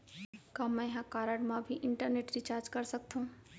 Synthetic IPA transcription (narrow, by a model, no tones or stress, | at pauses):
kãmɛ̃ɦãkaːɾəɽmãbʱiʔɪɳʈəɾneʈɾit͡ʃaːɾd͡ʒkəɾsəkt̪ʰũː